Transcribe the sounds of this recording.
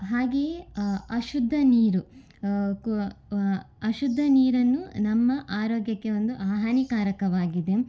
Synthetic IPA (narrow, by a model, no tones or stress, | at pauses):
ɦaːɡe̞ːɐʃud̪ʱːɐniːɾu | k | ɐʃud̪ʱːɐniːɾɐnːunɐmːɐʔaːɾoːɡjɐkːe̞o̞nd̪uʔaːɦɐnikaːɾɐkɐʋaːɡid̪e̞